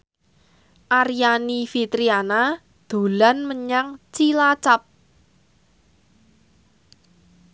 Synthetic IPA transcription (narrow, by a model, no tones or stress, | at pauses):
ʔaɾijanifit̪ɾiana | d̪̥o̤lanməɲaŋt͡ʃilat͡ʃap̚